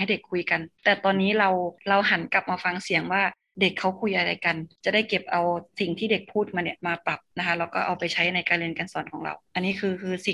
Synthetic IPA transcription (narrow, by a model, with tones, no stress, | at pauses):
ha˥˩jde˨˩kʰːu˧jka˧nt̪ɛː˨˩t̪ɔː˧nːiː˦˥ɾa˧wla˧wɦa˨˦nka˨˩p̚maː˧fa˧ŋsi˨˩˦əŋwaː˥˩ | de˨˩kʰːa˦˥wkʰu˧jʔa˧ɾa˧jka˧nt͡ɕa˨˩da˥˩jke˨˩p̚ʔa˧wsi˨˩ŋt̪ʰiː˥˩de˨˩k̚pʰuː˥˩t̪̚maː˧ni˧˩maː˧pa˨˩p̚na˦˥kʰa˦˥laɛ˧˩wkɔː˥˩ʔa˧wpa˧jt͡ɕʰa˦˥jna˧jkaː˧nli˧nka˧nsɔː˨˩˦nkʰɔː˩˦ŋɾa̰˧wʔa˧nːiː˦˥kʰɯː˧kʰɯː˧si˨˩